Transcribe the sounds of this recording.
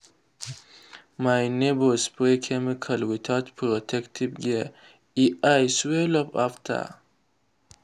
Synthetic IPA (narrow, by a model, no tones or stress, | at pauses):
majnebospɾekʰemikʰalwit̪ʰat̪pʰɾot̪ʰektʰibɡe | iʔajswelɔpa̰ftʰa̰